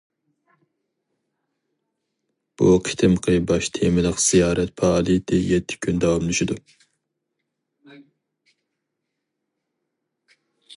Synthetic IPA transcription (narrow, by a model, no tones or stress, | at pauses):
b̥uqʰi̥t̪ʰɪmqʰɨbɑʃt̪ʰemɪləqz̥ijɑːɾɛt̪̚pʰɑlˠid̪ɪjɛt̪ʰːɪ̥kʲʰynd̪ɑwɑmlˠyʃid̪u